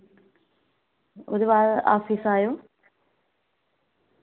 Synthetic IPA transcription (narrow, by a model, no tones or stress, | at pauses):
oɾuβaːʔa̰ːfiːsaːjoː